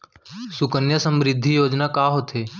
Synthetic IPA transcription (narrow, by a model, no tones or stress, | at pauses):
sʊkənjəsə̃mɾɪd̪ʱːijoːd͡ʒnakaːɦot̪ʰɦeː